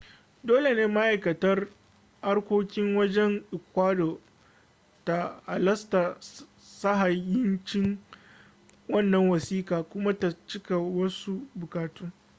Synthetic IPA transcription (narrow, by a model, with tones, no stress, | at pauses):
doː˦le˨neː˦ma˦ʔa˨jkɐ˨tɐ˦r | ha˦rkʷoː˦kʲɪ˦ŋwɐ˦d͡ʒɛ˦ŋʔɪ˨kʷwaː˦doː˨ | ta˨ʔa˨lɐ˦sta˨ | sa˦ɦa˨jɪ˦nt͡ʃɪ˦ŋ | wɐ˦˨nːɐ˨ŋwɐ˨siː˦kaː˨kʷʊ˦ma˦ta˨t͡ʃɪ˦ka˨wɐ˦su˦bʊ˨kaː˨tuː˦